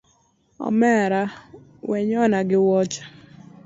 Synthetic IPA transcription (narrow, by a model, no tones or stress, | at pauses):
ɔ̰mɛɾa | wɛɲɔnaɡɪwɔt͡ʃḁ